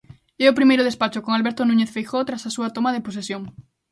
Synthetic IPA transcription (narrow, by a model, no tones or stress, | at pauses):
eopɾimejɾʊð̞espat͡ʃokoŋalβeɾt̪onũɲeθfejxot̪ɾasasuat̪omaðepos̬esjoŋ